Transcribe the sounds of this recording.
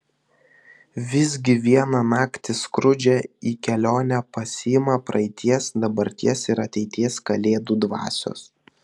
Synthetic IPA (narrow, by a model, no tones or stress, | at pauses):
ʋʲɪzʲɡʲɪʋʲiɛnɐnɑːkt̪ʲɪskɾʊd͡ʒʲɛiːkʲɛlʲoːnʲɛpɐsʲɪɪmɐpɾʔɐɪt̪ʲiɛsd̪ɐbɐɾʲt̪ʲiɛsɪɾɐt̪ʲɛɪt̪ʲiɛskɐlʲeːd̪uːd̪ʋɑ̰ːsʲo̰ːs